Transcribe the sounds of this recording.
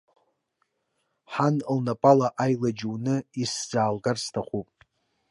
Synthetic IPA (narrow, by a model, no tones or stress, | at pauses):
ħanlnapʼalaʔajlad͡ʒuwnɨisd͡zaːlɡarstʰaχʷupʼ